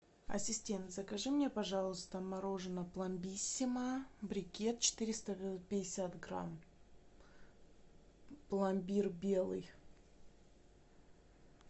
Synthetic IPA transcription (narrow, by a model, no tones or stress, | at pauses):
ɐ̰sʲɪsʲtʲe̞nt̪zəkɐʐɨmnʲe̞pɐʐɑlˠəst̪əmɐɾo̞ʐɨnəplˠɐmbʲisʲːɪməbɾʲɪkʲe̞t̪̚t͡ɕɪ̥t̪iɾʲɪst̪əpʲɪdʲɪsʲat̪ɡra̰m | plˠamʲbʲirbʲe̞lˠɨj